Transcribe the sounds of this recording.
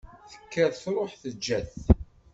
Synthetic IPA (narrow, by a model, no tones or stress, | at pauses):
θə̥kːæðθɾˤoħθəd͡ʒːæθ